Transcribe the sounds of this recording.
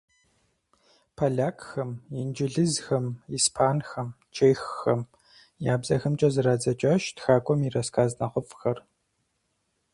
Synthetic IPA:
pʰaɮaːkxɐmɪnd͡ʒɪɮɨzxɐmiːspʰaːnxɐm | t͡ʃʰeːjxːɐm | jaːbzɐxɐmt͡ʃʼɐzɨɾaːd͡zɐt͡ʃʼɐʃtxaːkʷʼɔmirɐskʰaːznɐχʷʊfxɐr

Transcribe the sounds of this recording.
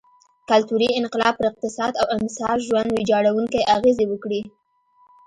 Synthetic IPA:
kalt̪uɾiɪnqɪlɑb̚pəɾɪq̚t̪ɪsɑd̪awɪnsɑtʒwand̪wed͡ʒɑɽawuŋkajʔaɣezewəkɽi

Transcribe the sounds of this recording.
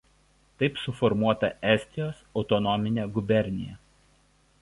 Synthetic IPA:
t̪ɐɪpsʊfɔɾmuɔt̪ɐʔɛˑsʲt̪ʲɪjoːsɒʊt̪ɔnɔmʲɪnʲeːɡʊbʲɛɾʲnʲɪ̰jɛ̰

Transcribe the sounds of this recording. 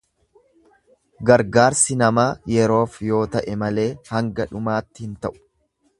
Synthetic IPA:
ɡɐɾɡaːɾsɪnɐmaːjɛɾo̞ːfjo̞ːt̪ɐʔɛmɐle̞ːhɐŋɡɐᶑʊmaːt̪ːɪhɪnt̪ɐʔʊ̥

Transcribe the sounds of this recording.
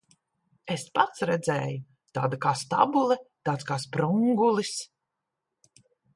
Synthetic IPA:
espat̪sɾɛd̪zɛːju | t̪aːd̪akaːst̪a̰bulˠɛt̪aːt̪skaːspɾuŋɡulˠis

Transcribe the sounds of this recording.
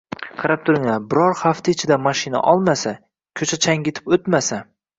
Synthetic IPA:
qʰɑɾap̚t̪ʰʊɾɪŋlabɪɾɒɾχaft̪ʰaɪt͡ʃʰɪd̪amaʃɪna̰ʔɒlˠmasa | kʲʰɵt͡ʃʰat͡ʃʰaŋɡʲɪt̪ʰɪ̥pot̪masa

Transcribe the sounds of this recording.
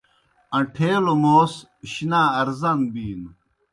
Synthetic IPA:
ɐ̃ʈʰeːlomoːs | ɕinaɐɾzɐnbiːn

